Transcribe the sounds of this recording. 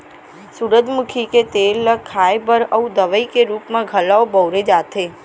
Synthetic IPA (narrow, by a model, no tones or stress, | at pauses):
suɾəd̪mukʰiket̪elːəkʰːajpəɾəũd̪əʋəikeɾupmãɡʱəlaobəwɾed͡ʒat̪ʰe